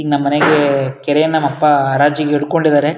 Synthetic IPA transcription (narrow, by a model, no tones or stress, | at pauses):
nɐmːɐneɡekɛɾeːnɐmɐpːaɾaːd͡ʒikːɛɽɯkːoɳɖid̪aːɾe